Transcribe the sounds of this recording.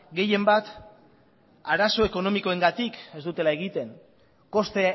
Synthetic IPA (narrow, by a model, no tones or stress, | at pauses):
ɡe̞je̞mbat̪ | aɾaso̞e̞ko̞no̞miko̞e̞ŋɡat̪ike̞zd̪ut̪e̞lae̞ɣ̞it̪e̞ŋ | ko̞st̪e